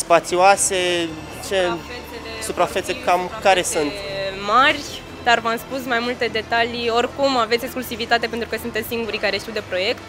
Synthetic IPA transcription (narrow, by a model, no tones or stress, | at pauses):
spat̪sioase̞ | t͡ʃe | supɾafet̪sekamkaɾesunt̪marʲ | d̪̥arvamspusmajmult̪e̞d̪e̞t̪alio̞rkumavet̪ʲeksklusivit̪at̪e̞pent̪ɾukəsunt̪et̪ʲsiŋɡuɾikaɾe̞ʃt̪iwd̪e̞pɾo̞je̞kt̪